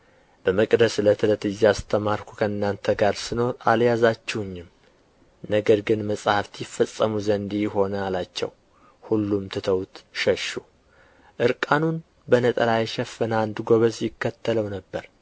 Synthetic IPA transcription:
b̥əməkʼd̪əslət̪ʰɨlət̪ɨzːiast̪ʰəmaɾkʰu̥kʰəɨnːant̪ʰəɡaɾsɨno̞ɾaljazat͡ʃːɛwʊɲːɪm | nəɡəɾɡɨnməsʼhaft̪ʰjɪfːəsʼːəmuzənd̪ijɪɦo̞nəalat͡ʃːɛ̰w | hulːumt̪ʰɨt̪ʰəwt̪ʃəʃu | ʔɨɾkʼanun | bənət̪ʼəlajɛʃɛfːɨnand̪ɡo̞βəsjɪkːət̪ʰːələwnəbːəɾ

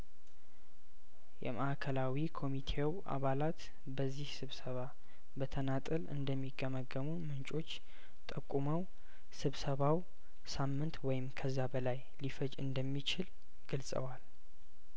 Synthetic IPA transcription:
jɛ̰mʔəʔakʰəlawikʰo̞mit̪ʰe̞w | a̰βalat̪ | bəzːihsɨβsəβa | bət̪ʰənat̪ʼɨlɨ̰nd̪əmːiɡəməɡːəmunmɨnt͡ʃʼo̞t͡ʃː | t̪ʼəkʼːuməw | sɨβsəβaw | samːɨnt̪wɔjɪmkʰəzːabəlaj | lifəd͡ʒɨ̰nd̪əmːit͡ʃɪl | ɡ̥ɨlsʼə̰wal

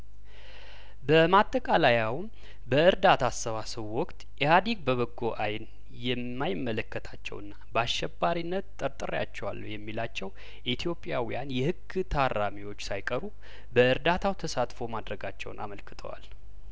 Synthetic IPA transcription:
bəmat̪ʼːəkʼalajawm | bəɨɾd̪at̪ʰasːəβasəβwɔkʼt̪ʼjɛhad̪iɡ̚bəβəɡːoʔajn | jɛmːajɪmːələkːət̪ʰat͡ʃːɛ̰wɨnːabaʃɛbːaɾinːət̪t̪ʼːəɾt̪ʼɨɾja̰t͡ʃːɛwa̰lːṵjɛmːilat͡ʃːɛw | ʔit̪ʰjo̞pʼjawijanjɛhɨɡɨt̪ʰarːamiwo̞t͡ʃːsajkʼəɾu | bəɨɾd̪at̪ʰawt̪ʰəsat̪ʼfo̞mad̪ɾəɡat͡ʃːɛ̰wnʔa̰məlkɨ̥t̪ʰə̰wa̰l

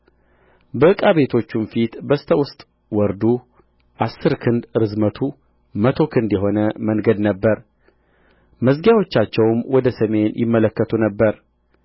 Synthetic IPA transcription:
bəɨkʼaβe̞t̪ʰo̞t͡ʃːumfit̪bəst̪ʰəwʊst̪ʼ | wɔɾd̪u | ʔasːɨɾkʰɨnd̪ɾɨzmət̪ʰu | mət̪ʰo̞kʰɨnd̪jɛɦo̞nəməŋɡəd̪nəbːəɾ | məzɡjawot͡ʃːat͡ʃːɛwmwɔd̪əsəme̞njɪ̰mːələkːət̪ʰunəbːəɾ

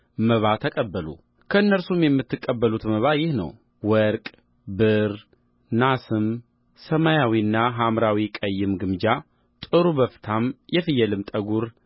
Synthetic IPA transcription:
məβat̪ʰəkʼəbːəlṵ | kʰəɨnːəɾsumjɛmːɨt̪ʰːɨkʼːəbːəlut̪məβajɪhnə̰w | wəɾkʼ | bɨɾ | nasɨm | səmajawiɨnːaɦamɾawikʼəjːɪmɡɨmd͡ʒa | t̪ʼɨɾuβəft̪ʰamjɛfɨjɛlɨmt̪ʼəɡuɾ

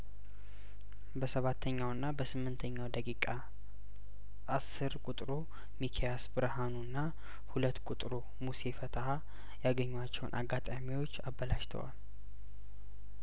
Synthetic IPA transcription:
bəsəβat̪ʰːəɲːawɨnːabəsɨmːɨnt̪ʰəɲːawd̪əkʼikʼa | ʔːsːɨɾkʼut̪ʼɾu | mikʰejasbɨɾəhanunːa | hulət̪ːkʼut̪ʼɾu | muse̞fət̪ʰəha | jaɡəɲːwat͡ʃːɛw̰nʔa̰ɡːat̪ʼamiwo̞t͡ʃːabːəlaʃt̪ʰə̰wa̰l

